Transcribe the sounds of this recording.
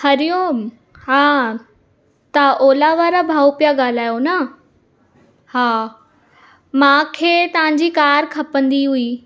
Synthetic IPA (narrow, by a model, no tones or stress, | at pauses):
hɐɾijõ | ɦaː | t̪ɐʔoːlaʋaːɾabʱaːupijaɠaːl̤aːjonɐ | haː | mãːkʰeːt̪ɐʋ̤ãɲ̆d͡ʑikaːɾkʰɐpə̃nd̪iɦui